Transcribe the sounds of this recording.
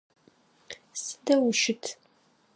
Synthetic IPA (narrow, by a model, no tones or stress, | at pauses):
sɨ̥d̪ɐwʊʃɪtʰ